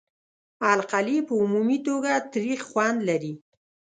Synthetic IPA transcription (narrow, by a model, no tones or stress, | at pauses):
alqalipəumumit̪oɡat̪ɾixxwand̪laɾi